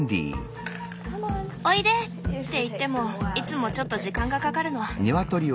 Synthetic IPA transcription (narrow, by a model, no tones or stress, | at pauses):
nd̪ʲḭː | oid̪e̞ | tt̪ːe̞it̪ːe̞mo̞it͡sɨmo̞t͡ɕo̞t̪ːo̞ʑikãŋɡakakaɾɯ̟no̞βaɲiβat̪o̞ɾʲi